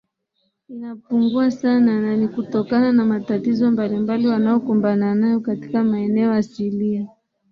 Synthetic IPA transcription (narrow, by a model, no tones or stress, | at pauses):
inapuŋɡuasanananikutɔkananamatatizɔmbalimbaliwanaɔkumbananajɔkati̥kamaɛnɛɔjasilia